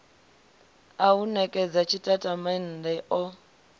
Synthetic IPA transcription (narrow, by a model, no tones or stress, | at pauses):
aunɛkʼɛd͡zat͡ʃʰitʼatʼaman̩dɛʔɔ